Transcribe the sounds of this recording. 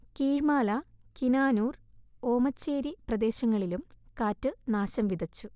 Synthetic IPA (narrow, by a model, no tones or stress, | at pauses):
kiːɻmaːlɐkinaːnuːro̞ːmɐt͡ɕːe̞ːɾiprɐd̪e̞ːɕɐŋːɐɭilumkaːtːɨnaːɕɐmʋid̪ʱɐt͡ɕːu